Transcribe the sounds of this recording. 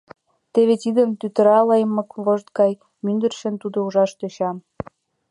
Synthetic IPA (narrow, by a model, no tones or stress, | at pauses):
t̪eβet̪id̪ə̆mt̪yt̪ə̆ɾɑlɤjmːɤ̆kβoʒt̪̚ɡɑj | mynd̪ə̆rʃə̆nt̪ud̪ouʒɑʃt̪øɕɑm